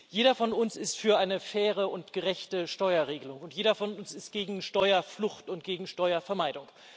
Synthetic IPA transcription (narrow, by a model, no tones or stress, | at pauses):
jeːɾɐfɔnʊnsɪstfyːɐʔaɪnəfɛːʁ̞əʊntɡ̥əʁɛçtəʃtɔʏɐʁeːɡəlʊŋʊntjeːɾɐfɔnʊnsɪstɡ̥eːɡŋ̩ʃtɔʏɐflʊxtʊntɡ̥eːɡŋ̩ʃtɔʏɐfɛɐmaɪdʊŋ